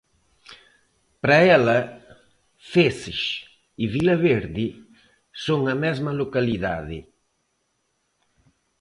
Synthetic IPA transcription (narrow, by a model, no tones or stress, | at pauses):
pɾaɛlɐ | fesɪʃ | iβilɐβeɾði | soŋɐmɛzmɐlokaliða̰ðɪ̰